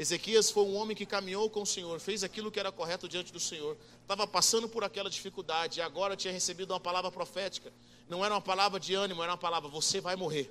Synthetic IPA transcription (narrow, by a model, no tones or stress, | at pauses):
ezekiɐsfojũõmẽj̃kɪkamĩɲowkõʊsẽɲoɾfejzakilʊkɪɛɾɐkoɦɛt̪ʊd͡ʒiɐ̃nt͡ʃɪd̪ʊsẽɲoɾ | t̪avɐpasɐ̃nd̪ʊpoɾakɛlɐd͡ʒifikud̪ad͡ʒɪːaɡɔɾɐt͡ʃĩɲɐhesebid̪ʊũmɐpalavɾɐpɾofɛt͡ʃi̥kɐ | nɐ̃w̃ɛɾɐũmɐpalavɾɐd͡ʒɪɐ̃nimʊɛɾɐũɐpalavɾɐvosevajmoɦeɾ